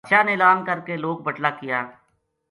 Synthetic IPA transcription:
ʃaːneːlaːnkəɾkeloːɡ̚bəʈlaːkɪjaː

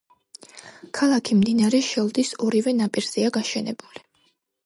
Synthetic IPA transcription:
kʰalˠakʰimd̪inaɾɛʃɛlˠd̪isɔɾivɛnapʼiɾz̥ɛaɡaʃɛnɛ̰buli

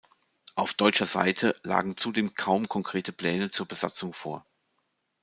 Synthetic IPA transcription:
ʔaʊfd̥ɔʏt͡ʃɐza̰ɪtʰəla̰ːɡŋ̩t͡sudeːmkʰaʊmkʰɔŋkʁ̥eːtəpl̥ɛːnət͡suːɐbəz̥a̰t͡sʊŋfo̰ːɐ

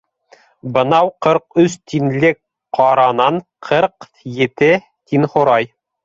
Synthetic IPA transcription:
bɤ̆nɑwqɤɾqɵst̪inlɘk | qɑɾɑnɑɴqʰɤɾq | jɘ̆t̪ɘ | t̪inχŏɾɑj

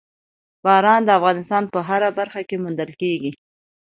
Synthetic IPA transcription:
b̥ɑɾɑnd̪əafɣɑnɪst̪ɑnpəɦaɾabaɾxakemʊnd̪əlkeɡi

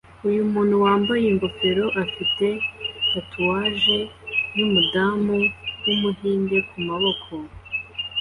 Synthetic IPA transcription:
ujumuːn̥huwaːmbajeŋɡo̞fe̞ɾo̞ʔafite̞ɡatʰuwaːʒe̞numudamuwumuɦiːnde̞kumaβo̞kʰo̞

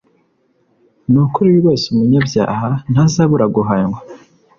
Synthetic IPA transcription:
nukuɾiwiɾwoːsumuɲabja̰ːhan̥hazaβuɾaɡuɦaɲɡwa

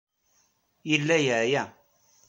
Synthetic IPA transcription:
ilejaja

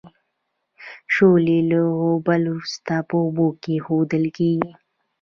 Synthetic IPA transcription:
ʃoleləɦobalust̪apəbokexod̪əlkeɡi

